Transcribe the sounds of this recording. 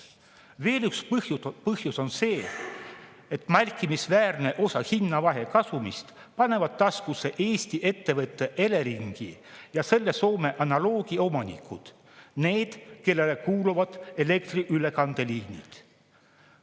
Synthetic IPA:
ve̞ːlykshjpɤhjuso̞nse̞ː | et̪mærʲkˑːimisvæːrne̞ʔo̞sɑhinːɑvɑɦe̞kɑsumist̪ | pɑne̞vɑd̪̥ːɑskuse̞ʔe̞ːst̪iʔe̞t̪ːe̞vɤt̪ːe̞ʔe̞le̞ɾiŋɡ̥ḭjɑse̞lːe̞so̞ːme̞ʔɑnɑlo̞ːɡ̥io̞mɑnḭkʰːˑud̪̥ | ne̞ːd̪̥ke̞lːe̞lekuːluvɑd̪̥e̞le̞kt̪riʔyle̞kɑnd̪̥e̞lihnḭd̪̥

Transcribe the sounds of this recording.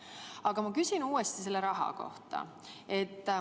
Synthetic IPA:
ɑɡ̥ɑmɑkysinuːest̪ise̞lːeɾɑɦɑ̰ko̞̰ht̪ɑ̰ | e̞t̪ː

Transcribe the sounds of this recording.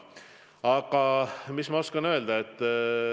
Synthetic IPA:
ɑɡ̥ɑmismɑo̞skɑnø̞ld̪̥ɑet̪ː

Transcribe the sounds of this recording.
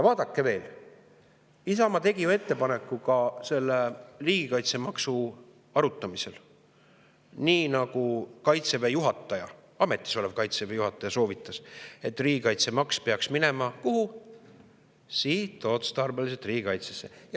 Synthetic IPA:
ɑvɑːd̪ɑkːe̞ve̞ːl | isɑmɑt̪e̞ɡijue̞t̪ːe̞pɑne̞kːˑukɑse̞lːeriːɡ̥ikɑjt̪se̞mɑksu | ɑɾut̪ːˑɑmise̞l | niːnɑɡukɑjt̪sevejuɦɑt̪ˑːɑjɑ | ɑme̞t̪ːˑi̥so̞levkɑjt̪sevejuhɦɑt̪ːˑɑjɑso̞ːvit̪ˑːɑse̞t̪ːˑriːɡikɑjt̪se̞mɑkspeɑksmine̞mɑkuhu | siːt̪ːˑoːt̪st̪ɑrbelis̬et̪ˑriːɡ̥ikɑjt̪sesːej

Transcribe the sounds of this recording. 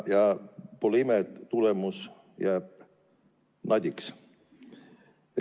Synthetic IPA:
jɑpoleimet̪ulemus | jæːb̥̚ | nɑd̪ʲiks

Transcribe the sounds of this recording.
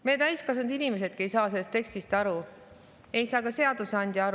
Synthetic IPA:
met̪æjskɑsɑnd̪inʲime̞s̬e̞d̪̥̚ke̞jsɑːseːe̞st̪ːe̞ksʲt̪ist̪ɑɾu | e̞jsɑːkɑse̞ɑd̪̥useɑnʲd̪̥ʲjiɑɾ

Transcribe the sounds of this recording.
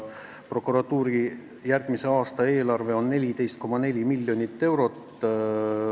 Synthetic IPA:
pro̞kːˑuɾɑt̪ːuːɾi | jærɡ̥mise̞ɑːst̪ɑe̞ːlɑrve̞o̞nːe̞lʲit̪e̞jst̪̚ko̞mɑne̞lʲimilʲːjo̞nʲit̪ːe̞wɾo̞t̪ː

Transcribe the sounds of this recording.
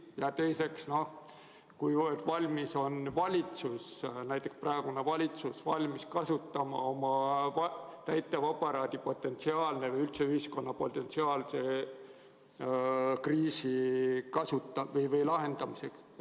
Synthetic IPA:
jɑt̪e̞jse̞ksno̞h | kujvɤːd̪vɑlʲmiso̞nvɑlʲit̪susnæjt̪ːˑe̞ksprɑeɡ̥une̞vɑlʲit̪susvɑlʲmiskɑsut̪ːˑɑmɑ̰o̞mɑvt̪æjt̪ːˑevɑpːˑɑɾɑːd̪̥ipo̞t̪ːˑe̞nt̪siɑːlne̞vɯjylt̪seyhisko̞nːɑpo̞t̪ːˑe̞nt̪siɑːlse̞ | kriːsikɑsut̪ːˑɑvɤjvɯjlɑɦe̞nd̪̥ɑmise̞ks

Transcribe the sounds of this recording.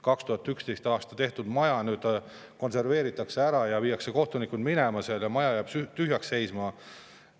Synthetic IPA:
kɑkst̪uhɑt̪ːˑykst̪e̞jst̪ɑːst̪ɑt̪e̞ht̪ud̪mɑjɑnyːd̪ | ko̞nse̞rve̞ːɾit̪ːˑɑkseæɾɑjɑviːɑkseko̞ht̪unikud̪mine̞mɑseljɑmɑjɑjɑːbsyt̪yɦjɑksːe̞jsmɑ

